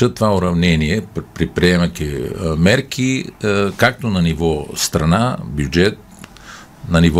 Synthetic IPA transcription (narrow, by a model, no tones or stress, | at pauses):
ət̪ovaʊɾɐvnɛniɛpɾipɾiɛmɐkʲimɛɾkʰikak̚t̪onɐnivɔst̪ɾɐnabjud͡ʒɛt̪̚ | nɐnivɔ